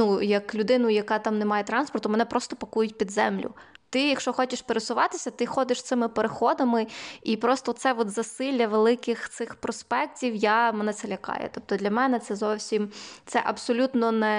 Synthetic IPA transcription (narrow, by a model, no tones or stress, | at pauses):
nujɐklʲʊd̪ɪnʊjɐkɑt̪ɑmnemɑjet̪ɾɑnspɔrt̪ʊmenɛpɾɔst̪ɔpɐkujʊtʲpʲid̪zɛmlʲʊ̰t̪ɪjɐkʃt͡ʃɔxɔt͡ʃɪʃpeɾesʊʋɑt̪ɪsʲɐt̪ɪxɔd̪ɪʃst̪ɪmɪpeɾexɔd̪ɐmɪipɾɔst̪ɔt̪sɛʋɔd̪zɐsɪlʲːɐʋelˠɪkɪxt̪sɪxpɾɔspɛk̚tʲiwjamɛnɛtsɛlʲɐkɑ̰jɛ̰t̪ɔp̚t̪ɔd̪lʲɐmɛnɛt̪sɛzɔwsʲimt̪sɛʔɐbsɔlʲut̪nɔnɛ